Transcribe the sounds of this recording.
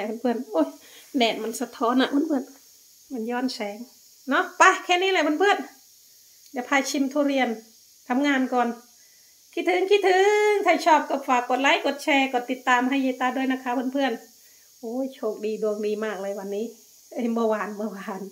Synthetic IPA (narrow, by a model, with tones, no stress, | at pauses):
ɛ˧˩bʰa˧˨pʰɯ˧˩ə˨nʔoː˧˩jdɛː˨˧˩t̚ma˧˨nsa˧t̪ʰɔː˧˥˨nːa˧˨ʔbo˧˥˨npʰɯ˧˩n | ma˧˩njɔː˧˥˨nsɛː˨˦ŋ | nɔ˧˥˨pa˧kʰɛː˧niː˧˨la˧˨bʰnpʰɯ˧˨ən | dɛ˧˩pʰaː˧˨jt͡ɕʰi˧˨mt̪ʰu˧˨ɾi˧˨ən | t̪ʰa˧˨mŋaː˧˨nkɔː˨n | kʰi˧t̪ʰɯː˨˧˦ŋki˧t̪ʰɯ˨˦ŋt̪ʰa˧˩jt͡ɕʰɔː˧˩p̚ka˧˩faː˨˧˩kːo˧˩t̪̚la˧˥˨jko˧˦t̪̚t͡ɕʰɛː˧kɔː˧˩t̪i˧˦t̪ːaː˨mha˧˩˨jheː˧t̪ːaː˧du˧˨jna˧kʰaː˧˨bo˧˥˨npʰɯ˧˨ən | ʔoː˧˦jt͡ɕʰoː˧˩k̚diː˨du˧əŋdiː˨maː˧˩k̚lɤː˧˨jwa˧˨nːiː˧˥˨ | e˧˨bɔː˧waː˨˩nbɔː˧waː˨˩n